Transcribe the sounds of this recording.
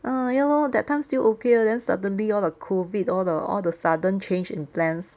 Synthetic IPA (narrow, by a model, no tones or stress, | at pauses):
ʔəjɛlodɛt̚ʰːãɪ̃mstilʔokeədɛ̃nsa̰də̃nliɔldəkʰovidɔldəɔ̰ldəsadə̃nt͡ʃẽnd͡ʒɪ̰̃nplɛ̃ns